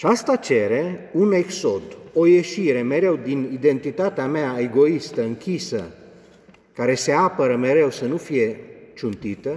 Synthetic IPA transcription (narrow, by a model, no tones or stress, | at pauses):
at͡ʃast̪at͡ʃe̞ɾe̞unekso̞d̪o̞je̞ʃiɾe̞me̞ɾe̞wd̪inid̪e̞nt̪it̪at̪eameae̞ɡo̞ist̪əɨŋkʲisə̰ | kaɾe̞se̞apəɾəme̞ɾe̞wsənufije̞t͡ʃunt̪it̪ə